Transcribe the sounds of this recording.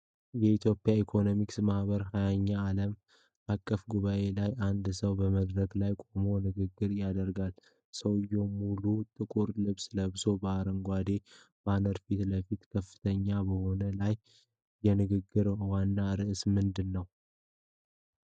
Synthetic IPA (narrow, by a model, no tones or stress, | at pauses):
jɛit̪ʰjo̞pʼːjaikʰo̞no̞miksmahbəɾɦajaɲːaːləm | ʔakʼːəfɡuβaʔe̞lajʔand̪səwbəməd̪ɾəɡlajkʼomo̞nɨɡɨɡːɨɾjad̪əɾɡal | səwɨjːɛmulut̪ʼɨkʼuɾlɨβsləβso̞bəaɾəŋɡʷad̪e̞ | banəɾfit̪ləfit̪kʰəfːɨ̥t̪ʰəɲːabəho̞nəlajː | ɛnɨɡɨɡːɨɾwanːaɾɨʔsmɨnd̪ɨnːəw